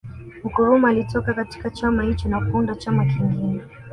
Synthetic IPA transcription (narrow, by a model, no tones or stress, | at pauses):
m̩kɔɾɔmalitɔkakati̥kat͡ʃamahit͡ʃinakuundat͡ʃamakiŋɡinɛ